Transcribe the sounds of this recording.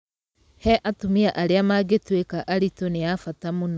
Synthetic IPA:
hɛʔatumiaʔaɾeamaɡetwekaʔaɾitoneafatamonɔ

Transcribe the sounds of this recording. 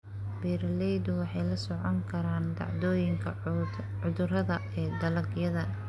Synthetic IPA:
biːɾlɛjd̪ʊwɑħɑjlɐsɔʕɔŋkʰɐɾaːnd̪ɑ̰ʕd̪ɔːjɪŋkʰɐ | ʊðʊrɐðɐɛːd̪ɐlɐɡjɐðɐ

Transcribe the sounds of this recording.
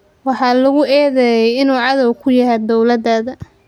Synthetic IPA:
wɑħɑːlɐɣʊʔɛːðɛjɛjɪnuːʕɑðɐwkʰʊjɐɦɛd̪ɔwlɐd̪ɐðɐ

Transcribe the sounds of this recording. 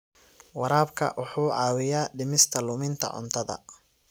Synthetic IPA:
wɑɾaːbkʰɐ̰ʔʊħuːʕɑːwɪjaːɖɪmɪst̪ʰɐlʊmɪnt̪ʰɐ̰ʕʊ̰nt̪ʰɐðɐ̰

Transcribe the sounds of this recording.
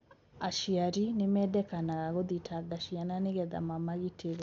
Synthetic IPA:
aʃiaɾinemɛdɛkanaɣaɣoðitʰaɡaʃiananeɣɛða̰mamaɣitʰeɣa

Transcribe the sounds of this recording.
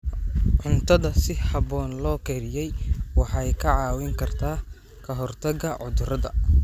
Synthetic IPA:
ʕʊnt̪ʰɐðɐsɪhɑβɔːnlɔːkʰɛːɾɪjɛjwɑħɑjkʰɐʕɑːwɪŋkʰɐrt̪ʰaː | kʰɐɦɔrt̪ʰɐɡɐʕʊðʊrɐðɐ̰

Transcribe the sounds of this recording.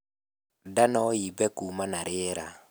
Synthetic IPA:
danɔjibɛkumanaɾɪɛɾa̰

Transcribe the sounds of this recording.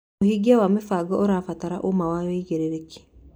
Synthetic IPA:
ohiɡiawamefaɡɔʔoɾafataɾaʔomawaweɣeɾeɾeki̥

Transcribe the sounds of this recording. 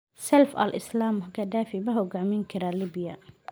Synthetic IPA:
sɛlfɐ̰lʔɪ̰slaːmʊhkʰɐd̪aːfɪbɐɦɔɡaʕmɪŋkʰɐɾaliːbɪjɐ

